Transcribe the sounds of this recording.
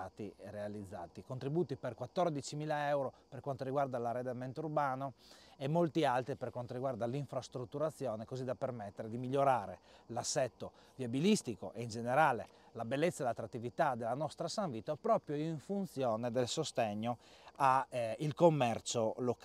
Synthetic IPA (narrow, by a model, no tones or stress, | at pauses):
at̪irealid̪zːa̰ːt̪ikont̪ɾibuːt̪iperkwat̪ːord̪it͡ʃimiːlaɛwɾoperkwant̪oɾiɡward̪alared̪ɛmɛnt̪urbaːnoemːolt̪ialt̪ɾiperkwant̪oɾiɡward̪aliɱfɾast̪ɾut̪ːuɾat̪sːjɔːnekozid̪apermet̪ːeɾed̪imiʎːoɾaːɾelasːɛt̪ːo | viabilist̪iko̰ʔeind͡ʒeneɾaːle | labelːet̪sːaelat̪ːɾat̪ːivit̪ad̪elːanɔst̪ɾasaɱviːt̪ːopɾɔːpɾjoiɱfunt̪sjɔːned̪elsost̪ɛɲːoailkomːɛrt͡ʃolok